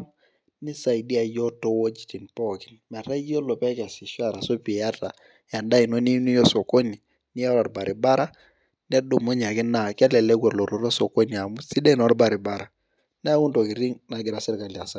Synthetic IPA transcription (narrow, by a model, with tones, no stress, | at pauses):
ni˦sa˨i˨di˦a˨jɔ˦tɔ˦wɔ˦d͡ʒi˨ti˨npɔ˦kɪ˨nma˨ɾa˦jɔ˦lɔ˨pɛ˦ka˨si˨ʃa˦˨ɾa˨so˦pi˨a˦ta˨ | ja˨nda˦i˨no˦ni˦nu˦jɔ˦so˨ko˦ni˨ | ni˦a˦la˨ɾba˨ɾi˨ba˦ɾa˦ | ni˦a˦do˨mo˦ɲ˨a˨kɪ˦na˨ka˦lɛ˨lɛ˦ɡʷwɛ˨lɔ˨ɾo˨ɾa˦so˨ko˦ni˨a˨mu˦si˦dɛ˦n˨ɔ˦ɾba˨ɾi˨ba˦ɾa˨ | n˦a˦ku˦nto˨ki˨ɾi˦ŋna˨ɡɪ˨ɾa˨sɛ˦ɾka˨la˨sa˦